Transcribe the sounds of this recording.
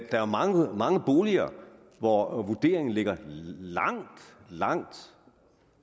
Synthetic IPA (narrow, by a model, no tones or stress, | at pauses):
d̥ɑ̈æɐmɑ̈ŋəmɑ̈ŋəb̥o̝ːliɐ̰ː | ʋɒʋud̥e̝̰ːɐe̝ŋn̩le̝ɡ̥ɐlɑ̈ŋ̰d̥lɑ̈ŋ̰d̥